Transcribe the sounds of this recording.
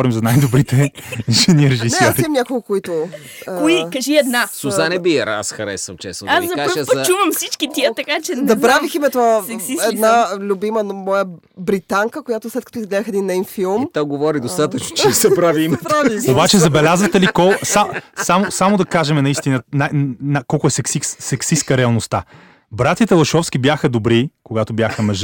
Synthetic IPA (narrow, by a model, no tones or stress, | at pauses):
ɔɾimzɐnajd̪obɾit̪ɛʒɛniɾɛʒisɛɔɾimɲʲakoɡokoit̪ʊ | kːoikɐʒiɛd̪nasusanɛbiɾa̰sxɐɾɛ̰sənt͡ʃɛsnodasiɐkaʒt͡ʃuvəmfsit͡ʃkit̪iət̪ɐkat͡ʃɛd̪ɐpɾaviximɛt̪onəɛd̪nalʲubimənmɔjə | bɾit̪aŋkəkojat̪ʊslɛt̪kɐ̥t̪ɔizɡlɛd̪əxɛd̪inːɛjnfilˠmt̪oɡovɔɾid̪ost̪at̪ət͡ʃnot͡ʃɛnsɛpɾaviimɛt̪obat͡ʃɛzɐbɛlʲazvɐt̪ɛlikɔsasamosamod̪ɐkaʒɛmɛnɐist̪inənanakɔlˠkʊɛsɛksissɛksiskəɾɛɐlˠnost̪a | bɾat̪ʲət̪ɛlˠɐʃɔfsk̟ʲibjaxəd̪obɾikoɡat̪obʲjaxəmɛʒ